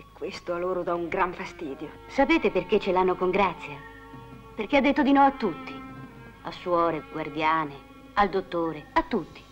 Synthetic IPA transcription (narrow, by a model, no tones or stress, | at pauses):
ekːwest̪oaloːɾod̪auŋɡɾaɱfast̪iːd̪jo | sapeːt̪eperket͡ʃːelanːokoŋɡɾat̪sːja | perk̟ead̪ːet̪ːod̪inɔvat̪ːut̪ːi | asːwɔːɾeɡward̪jaːne | ald̪ot̪ːoːɾeat̪ːut̪ːi̥